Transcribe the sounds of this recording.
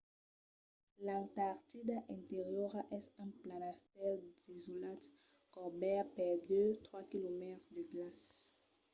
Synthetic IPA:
lãt̪aʁt̪id̪aʔɛ̃nt̪eʁjɔʁaʔɛsɛ̃nplanast̪ɛld̪ezolat̪ | kɔbɛpɛʁd̪øt̪χwakilomɛt̪χd̪əɡlas

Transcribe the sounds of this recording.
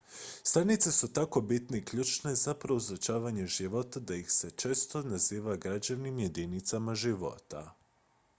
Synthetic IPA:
st̪anit̪se̞sut̪ako̞bit̪ne̞ikʎuːt͡ʃne̞zapɾe̞uzot͡ʃaːʋaɲe̞ʒiʋo̞t̪ad̪aixse̞t͡ʃe̞ːst̪o̞naziːʋaɡɾad͡ʑanimje̞d̪init̪samaʒiʋo̞̰t̪a̰

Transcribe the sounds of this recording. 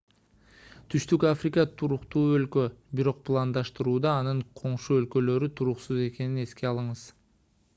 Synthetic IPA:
t̪ʰyʃt̪ykafrʲɪkət̪ʰuɾuqt̪uːø̞lkø̞biɾo̞q̚plˠand̪ɑʃt̪ɯɾuːd̪ɑːnɯɴqʰo̞ɴʃuølkø̞lø̞ɾyt̪ʰuɾuqsuze̞ke̞nine̞ske̞ɑlˠɯɴɯz

